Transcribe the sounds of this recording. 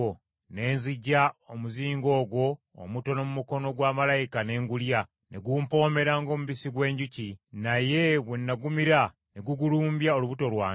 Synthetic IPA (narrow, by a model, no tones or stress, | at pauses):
ne̞ːnziɟːaomuziːŋɡo̞ːɡwo̞̰ː | muto̞no̞mumuko̞no̞ɡwaːmalajikane̞ːŋɡulja | ne̞ɡumpo̞ːme̞ɾaŋɡo̞ːmuβisiɡwe̞ːɲɟucinaje̞βwenːaɡumiɾa | ne̞ɡuɡuluːmbjaoluβuto̞lwaː